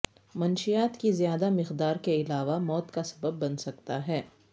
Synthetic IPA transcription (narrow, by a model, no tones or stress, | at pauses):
mɐnʃijaːt̪kizijaːd̪amɪqd̪aːɾkeɪlaːʋamɔːt̪kasɐ̥bəbːɐnsɐkt̪aɦɛː